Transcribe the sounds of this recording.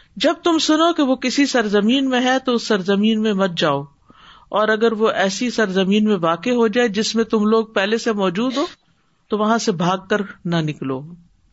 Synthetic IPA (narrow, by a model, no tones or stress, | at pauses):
d͡ʒɐb̚t̪ʊmsʊnokeʋokɪsisɐɾzɐmiːnmẽɦɛt̪oʊsːɐɾzɐmiːnmẽmɐt̪̚d͡ʒaːoː | ɔːɾɐɡəɾʋoʔɛːsisɐɾzɐmiːnmẽʋaːkeɦod͡ʒaːed͡ʒɪsmẽt̪ʊmloːɡ̚pɛɦlesemɔːd͡ʒuːd̪ɦoː | t̪oʋɐɦãsebʱaːɡ̚kɐɾnɐnɪkloː